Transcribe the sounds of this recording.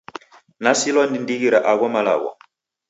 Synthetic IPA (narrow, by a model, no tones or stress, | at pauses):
nasilwɔndindiɣiɾaʔaɣɔmala̰ɣɔ̰